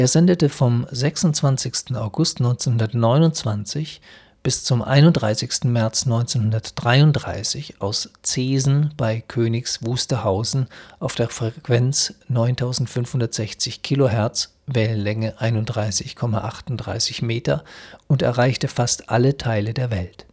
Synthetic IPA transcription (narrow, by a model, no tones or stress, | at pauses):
ʔeːɐzɛndətəfɔmzɛksʊnt͡sv̥ant͡sɪçstn̩aʊɡʊstnɔʏnt͡senhʊndɐtnɔʏnʊnt͡sv̥ant͡sɪç | b̥ɪst͡sʊmʔa̰ɪnʊnd̥ʁaɪsɪçstn̩mɛɐt͡snɔʏnt͡senhʊndɐtd̥ʁaɪʊntd̥ʁa̰ɪsɪça̰ʊst͡seːzn̩b̥aɪkʰøːnɪçsv̥uːstɐhaʊzn̩ʔaʊfd̥eːɐfʁ̥ɛkv̥ɛnt͡snɔʏntʰaʊzn̩tfʏnfhʊndɐtz̥ɛçt͡sɪçkʰiːlohɛɐt͡s | vɛːlən̩lɛŋəʔaɪnʊndʁaɪsɪçkʰɔma̰ʔa̰χtʊnd̥ʁa̰ɪsɪçmeːtɐʊntɛ̰ɐʁaɪçtəfastʔalətʰaɪlədeːɐvɛlt